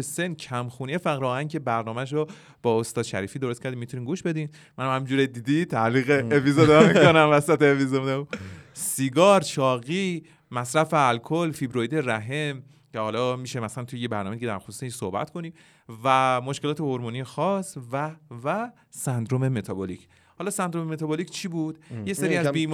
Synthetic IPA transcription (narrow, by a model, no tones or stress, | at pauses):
esencʰæmxuːnijefæɣɾɒːæncʰe̞bæɾnɒːmæʃ̬ɾɔ | b̥ɒːost̪ɒːd̪ʃæ̰ɾiːfiːd̪oɾost̪kcæɾd̪imːit̪uniːmɡuːʃbe̞d̪in | mːænamhæmind͡ʒuːɾed̪iːd̪it̪ʰæliːɣeːpizod̪mikonæmvæsæt̪eːpizomesiɡɒːɾʃɒːɣi | mæsɾæfeælkʰolfibɾojd̪e̞ɾæɦem | cʰehɒːlɒːmiʃemæsælænt̪ʰujejebæɾnɒme̞d̪iɟeæ̰ɾxosu̥ːseiʃsohbæ̰t̪kʰoniː | væmoʃkelɒːt̪ʰehoɾmonijexɒːsvævæ | sænd̪ɾome̞me̞t̪ʰɒbolicʰ | hɒːlɒːsænd̪ɾomemet̪ʰɒbolicʰt͡ʃʰiːbud̪̥jeseɾiːæzbiːm